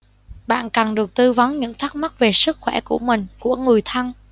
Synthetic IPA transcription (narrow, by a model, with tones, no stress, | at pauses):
ɓa̰ː˧˨nka˨˩nɗɨ˨˩ək̚t̪ɨ˧va˨˦nɲɨ̰˧˥ŋt̪ʰa˦˥k̚ma˦˥t̚ve˨˩sɨ˦˥k̚xwɛ˧˩ku˧˩əmï˨˩ŋ̟ku˧˩˥əŋɨ˨˩əjt̪ʰə˧n